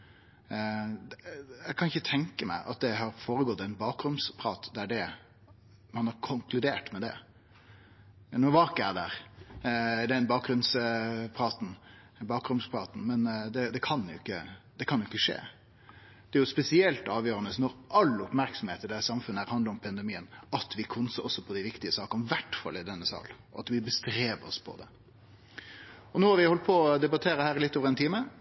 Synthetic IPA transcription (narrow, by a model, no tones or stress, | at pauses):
jæɪkʰɑnɪçːət̪ʰɛŋkəmæ̰ɪʔɑ̰t̪̚d̪ɛɦɑɾfoːɾəɡɔt̪ːɛɪnbɑːkɾʊmspʰɾɑːt̪d̪æɖɛ | mɑnhɑɾkʰʊŋkʰlʉd̪eːʈmɛd̪ɛ̰ | noːʋɑːkəæd̪æɾ | d̪ɛɛnbɑːk̚ɡɾʉnspʰɾɑːt̪n̩ | bɑːkɾʉmspʰɾɑːt̪n̩mɛnd̪ɛd̪ɛkʰɑnjʊɪkːəd̪ɛkʰɑnjʊɪkːəʂḛː | d̪̥ɛæɾjʊspɛsɪɛlt̪ɑːʋjøːɾənəsnɔɾʔɑlːəɔpmæɾksɔmheːt̪əd̪ɛsɑmfʉnːəæɾhɑnd̪əʊmpʰɑnd̪ɛmiːənɑt̪ʋɪkʰʊnsɔɔsːɔpʰɔd̪ɪʋɪkt̪ɪəsɑːkəʋæʈfɑ̰lːɪd̪ɛnːəsɑ̰ːl | ɔɑt̪ʋɪbəst̪ɾeːʋəɔ̰spʰɔ̰d̪ɛ | ɔnoːhɑɾʋɪhɔlt̪̚pʰɔd̪ɛbɑt̪ʰeːɾəhæːɾɪlɪt̪ːoːʋəɾɛnt̪ʰiːmə